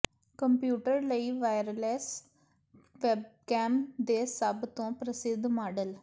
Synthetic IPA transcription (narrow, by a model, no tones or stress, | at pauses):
kɐmpjuːʈɐɾlɐjʋɐjɾɐles | ʋebkaːmd̪eːsaːbʱɐt̪õpɾɐsid̪ʱːmaːɖɐl